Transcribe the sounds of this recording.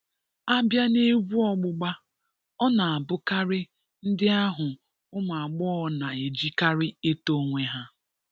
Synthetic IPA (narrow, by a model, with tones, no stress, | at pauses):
a˦bja˦ne˦ɡʷu˦ɔ˦ɡ͡bʊ˦ɡ͡ba˦ | ɔ˦na˨a˨bʊ˦ka˦ɾɪ˦ | n̩˦dɪ˦a˦ɦʊ˨ | ʊ˦ma˨a˨ɡ͡bɔ˦ɔ˦na˨e˨d͡ʒi˦ka˦ɾɪ˦e˦to˦ŋʷe˦ɦa˦